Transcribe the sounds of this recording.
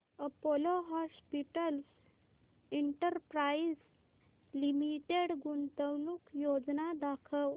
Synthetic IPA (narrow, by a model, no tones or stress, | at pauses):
əpoloɦɔspiʈəls | iɳʈəɾpɾaid͡z | limiʈeɽɡunt̪əwnukjod͡znad̪akʰəw